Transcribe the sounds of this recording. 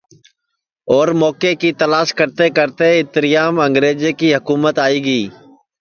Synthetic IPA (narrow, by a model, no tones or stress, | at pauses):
ɔːɾmɔːkeːkiːt̪əlaːʃkəɾt̪eːkəɾt̪eɪt̪ɾɪjaːmə̃ŋɡɾeːd͡ʒeːkiːɦʊkuːmət̪aːiːɡəiː